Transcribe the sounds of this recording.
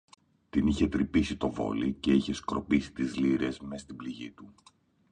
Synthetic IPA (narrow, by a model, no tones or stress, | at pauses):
t̪iniçe̞t̪ɾipisit̪o̞vo̞̰lice̞içe̞skɾo̞pisi̥t̪izliɾe̞smest̪ibliʝit̪u